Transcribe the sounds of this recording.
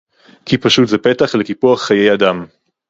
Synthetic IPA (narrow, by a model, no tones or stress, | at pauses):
kʰipaʃut̪zɛpet̪aχlekipuaχːaje̞jad̪am